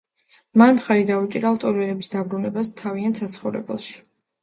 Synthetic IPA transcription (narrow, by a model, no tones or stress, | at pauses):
manmχaɾid̪aut͡ʃʼiɾalˠt̪ʼɔɾɛɾɛbisd̪abɾunɛbast̪ʰaviant̪ʰsat̪sʰχɔvɾɛ̰bɛ̰lˠʃi̥